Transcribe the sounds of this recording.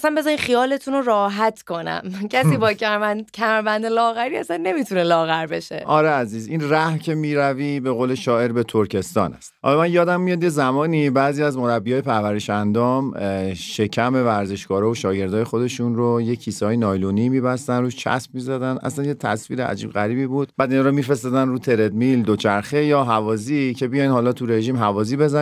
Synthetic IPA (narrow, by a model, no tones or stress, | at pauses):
sænbe̞zɒːɾimχijɒːle̞t̪ʰunorɒːɦæt̪ʰko̞næ̰mcʰæsiːbɒːcææcʲʰæmæɾbænd̪elɒːɣæɾiːæsænːe̞mit̪ʰunelɒːɣæɾbe̞ʃḛʔɒɾeæziːzinræhcʰe̞miːɾævibe̞ɣoːle̞ʃɒːe̞ɾbe̞t̪ʰoɾcʰe̞st̪ɒ̰ːnæ̰st̪hɒ̰lɒmænjɒːd̪æmːijɒd̪je̞zæmɒːnibæːziːæzmo̞ɾæbːiɒːjepʰæɾvæɾeʃænd̪ɒːmʃe̞cʰæme̞væɾze̞ʃɡɒːɾɒːoʃɒːɟe̞ɾd̪ɒːje̞xo̞d̪e̞ʃunɾojecʰːiːsɒːjenɒːjloniːmibæst̪ænɾuːʃt͡ʃʰæ̰spmizæd̪ænʔæ̰slænjet̪ʰæ̰sviːɾeʔæ̰d͡ʒḭːbɣæɾiːbiːbuːd̪̥̚bæːd̪iːnɒːɾomiːfɾe̞st̪ɒːd̪ænruːt̪ʰe̞ɾe̞d̪mild̪ot͡ʃʰæɾxe̞jɒːɦævɒːzicʰe̞bijɒjnhɒːlɒːt̪ʰuɾe̞ʒiːmɦævɒːziːbe̞zæ